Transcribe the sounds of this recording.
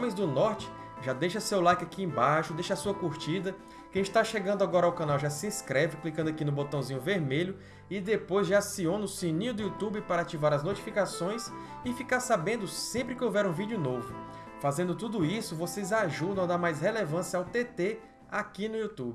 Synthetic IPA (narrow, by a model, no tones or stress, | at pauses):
õmẽj̃zd̪ʊnɔɾt͡ʃɪ̥ | ʒad̪ejʃɐsewlakɪakiẽbaʃʊd̪ejʃasuɐkuɾt͡ʃid̪ɐ | kẽt̪aʃeɡɐ̃nd̪ʊaɡɔɾɐawkãnawʒasiĩskɾɛvɪklikɐ̃nd̪akinʊbot̪ɐ̃w̃zĩɲʊveɾmeʎʊ | ɪd̪epojzʒasionʊsĩnĩɲʊd̪ʊut̪ubɪpaɾɐat͡ʃivaɾɐznot͡ʃi̥fikasõj̃s | ɪfikaɾsabẽnd̪ʊsẽmpɾɪkɪovɛɾũvid͡ʒʊnovʊ | fazẽnd̪ʊt̪ud̪ʊisʊvosezaʒud̪ɐ̃w̃ad̪aɾmajshelevɐ̃sjɐawt̪et̪e | akinʊiut̪ubɪ